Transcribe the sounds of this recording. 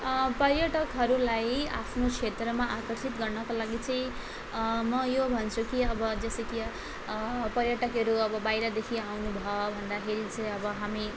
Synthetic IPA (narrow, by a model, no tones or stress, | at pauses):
pʌrjʌʈʌkɦʌɾulaja̰pʰnokʰet̪rʌmaʔakʌrsit̪ɡʌrnʌkalaɡit͡sʌĩ | mʌjobʱʌnt͡sʰukiʌbʌd͡zʌseki | pʌɾjʌʈʌkɦʌɾuʌbʌbajɾʌd̪ekʰiawnubʱʌbʱʌnd̪akʰeɾit͡sʌĩʌbʌɦami